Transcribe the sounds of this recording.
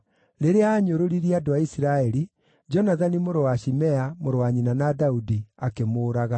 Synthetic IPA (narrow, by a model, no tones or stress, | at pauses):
ɾeɾeaːɲoɾoɾiɾiadoaisiɾaɛɾi | d͡ʒɔnaðanimoɾowaɕimɛamoɾowaɲinanadaudiakemoːɾaɣa